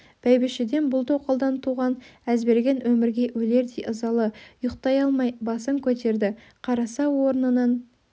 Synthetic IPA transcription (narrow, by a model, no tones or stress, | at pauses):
b̥æjbɪʃɪd̪e̞nbʊlˠt̪oqʰolˠd̪ɑnt̪ʰuʁɑnæzbe̞ɾɡʲe̞nwɵmɪɾɡʲe̞wɵle̞ɾd̪ejʔəzɑlˠəjoqt̪ɑjɑlˠmɑjbɑsəŋkʲʰɵt̪e̞ɾd̪ɪ | qʰɑɾɑsɑwo̞ɾnənɑn